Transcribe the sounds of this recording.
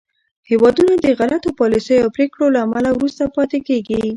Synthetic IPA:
hewɑd̪unad̪əɣalat̪opɑlisəjoapɾekɽolaːmalawɾust̪apɑt̪ekeɡi

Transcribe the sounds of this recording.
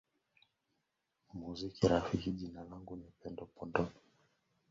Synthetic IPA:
muzikiɾafikiʄinalaŋɡunipɛndɔpɔndɔ

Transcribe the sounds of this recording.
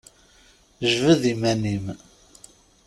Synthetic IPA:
ʒvəðimænim

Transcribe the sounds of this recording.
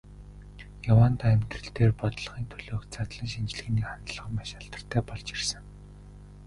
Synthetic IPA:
jawaːnt̪ʰaæmʲt̪rɘ̆ɬt̪eːrpɔt̪ɮ̆χiːnt̪ʰɵɮoːkt͡sat̪ɮĭŋʃint͡ɕɮɘ̆ɣniːχant̪ɮʁə̆maʃaɬt̪ə̥̆r̥t̪ʰæːpɔɮt͡ɕirsə̆ŋ

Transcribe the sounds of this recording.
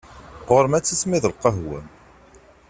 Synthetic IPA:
ʁʊɾmæt͡sːismiðəlqəɦwæ̰m

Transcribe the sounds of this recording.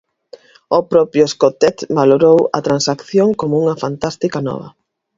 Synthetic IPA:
opɾɔpɾjʊeskot̪ɛt̪baloɾowɐ̰t̪ɾansakθjoŋkomʊuŋɐfant̪ast̪ikɐnɔ̰β̞ɐ̰

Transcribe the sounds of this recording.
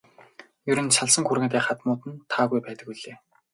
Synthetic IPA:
jɵɾɵ̆nʃaɮsə̆ŋxuɾɣɘ̆ːt̪eːχat̪mʊːt̪ɘ̆nt̪ʰaːɣujpæːt̪ə̆kiɮeː

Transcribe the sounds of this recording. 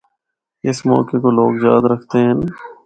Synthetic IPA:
ɪsmɔ̰ːkekoloːɡzjaːd̪ɾɐkʰt̪eɦɛ̃n

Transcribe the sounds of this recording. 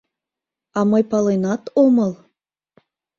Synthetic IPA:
ɑməjpɑlenɑt̪oməlˠ

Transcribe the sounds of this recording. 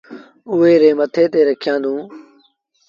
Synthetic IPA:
ʊɦeːɾeːmət̪ʰeːt̪eːɾəkʰjãːnd̪ũː

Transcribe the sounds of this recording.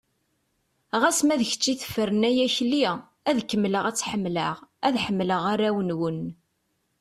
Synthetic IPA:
ʁæsmæðəçə̥t͡ʃːiθə̥fːəɾənæjæçli | æðkːəmːləʁæt͡sːħəmːləʁæðħəmːləʁaɾæwənwən

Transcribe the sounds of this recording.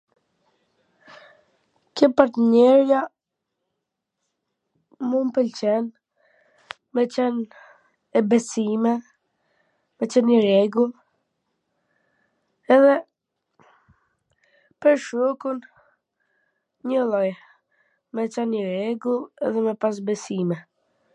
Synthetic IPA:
kəpaɾt̪ɲɛɾja | munpəlt͡ɕɛn | mɛt͡ɕɛnː | bɛsimɛ | mɛt͡ɕɛnəɾɛɡul | ɛðɛ | pəɾʃɔkun | ɲəlˠɔj | mɛt͡ʃanɲəɾɛɡulˠɛ̰ðɛmɛpas̬bɛsimɛ

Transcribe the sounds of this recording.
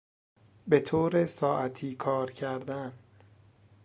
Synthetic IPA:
be̞t̪ʰoːɾesɒːʔæt̪ʰiːkʰɒːɾcʰæɾd̪æn

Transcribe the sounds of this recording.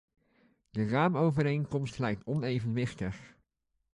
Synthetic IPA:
dəraːmowvəɾejnkɔmstlɛjk̚tɔnejvənʋɪχtəχ

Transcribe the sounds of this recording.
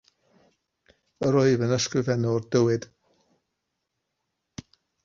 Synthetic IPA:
əɾoɨvənəskrɪvɛnɔrd̥əwɪd̥

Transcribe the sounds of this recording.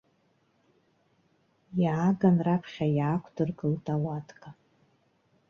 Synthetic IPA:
jʕaɡanrapʰχʲajaːkʷʰdɨrɡʼɨltʼawatʰʼkʼa

